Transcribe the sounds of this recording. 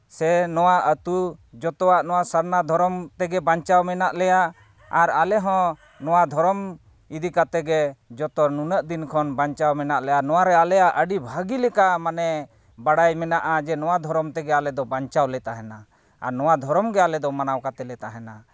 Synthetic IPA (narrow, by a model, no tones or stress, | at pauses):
sɛnɔwaət̪ud͡ʒɔt̪ɔaʔnɔwasəɾnad̪ʱɔɾɔmt̪ɛɡɛbaɲt͡ʃawmɛnaʔlɛja | aɾalɛɦɔ̃ | nɔwad̪ʱɔɾɔm | id̪ikat̪ɛɡɛd͡ʒɔt̪ɔnunəʔd̪inkʰɔnbaɲt͡ʃawmɛnaʔlɛjanɔwaɾɛalɛjaʔəɖibʱaɡilɛkamanɛ | baɽajmɛnaʔad͡ʒɛnɔwad̪ʱɔɾɔmt̪ɛɡɛalɛd̪ɔbaɲt͡ʃawlɛt̪aɦɛna | a̰ɾnɔwad̪ʱɔɾɔmɡɛalɛd̪ɔmanawkat̪ɛlɛt̪aɦɛna